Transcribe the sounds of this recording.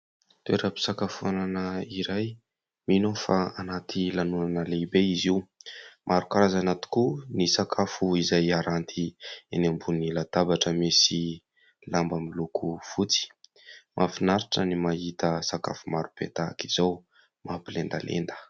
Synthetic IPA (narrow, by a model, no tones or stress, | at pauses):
t̪eɾəpi̥sakafuananəiɾaj | minofaanat̪ʰilanunanəleibeiziwmʔaɾukaɾazanat̪i̥kunisakʰafuizajaɾant̪ʰienambunilad̪̥abaʈ͡ʂəmisi | lambamilukʰufut͡si̥ | mʔafinaɾiʈ͡ʂənimaɦit̪əsaka̰fumaɾupḛt̪aki̥z̥aw | mapilend̪a̰lḛnd̪ə̥